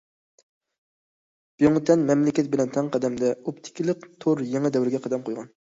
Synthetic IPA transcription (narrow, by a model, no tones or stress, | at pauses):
b̥joŋt̪ʰɛnmɛmlɪkʲɛt̪̚bɪlɛnt̪ʰɛŋqʰɑd̪ɛmd̪ɛopt̪ʰɪ̥kʲilˠəq̚t̪ʰoɾjeŋɨd̪ɛwɾɪɡʲɛqʰɑd̪ɛmqʰojʁɑn